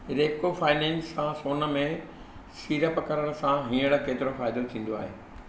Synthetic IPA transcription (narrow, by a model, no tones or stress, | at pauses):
ɾeːkofaːɪnɛ̃ːnsãsoːnə̆mẽ | siːɾəpɐkɐɾəɽ̃ə̆sãɦĩːəɽ̃̆keːt̪ɪɾofaːɪd̪ot̪ʰĩːn̆d̪oa̰ːɦeː